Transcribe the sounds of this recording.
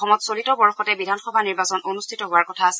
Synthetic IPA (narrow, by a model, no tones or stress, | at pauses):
ɔmɔtsolitɔbɔɹxɔtɛbidʱanxɔbʱaniɹbasɔnʔonustʰitɔɦʊaɹkɔtʰaːsɛ